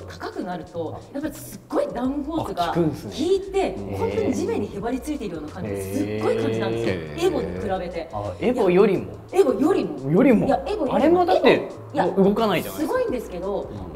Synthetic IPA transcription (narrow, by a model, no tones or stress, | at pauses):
t̪ḁkakɯ̟naɾɯ̟t̪o̞japːaɾʲisɨɡ̥ːo̞id̪ãɯ̃ho̞ːsɨɡakɯ̃sɨiːt̪e̞hõ̞nt̪oɲ̟id͡ʑimẽ̞ɲːiçebaɾʲit͡sɨit̪e̞iɾɯ̟joːnakãɲd͡ʑid̪esɨɡːo̞ikãɲd͡ʑinãnd̪esɨoeɡo̞t̪ːekɯ̟ɾabe̞t̪e̞eɡojo̞ɾʲimo̞̰ | e̞ɡo̞jo̞ɾʲimo̞jo̞ɾʲimojaeɡojaɾe̞mod̪at̪ːe | jaɯ̟ɡo̞kanait̪onssɨɡo̞ĩnd̪e̞sɨ̥ke̞d̪o̞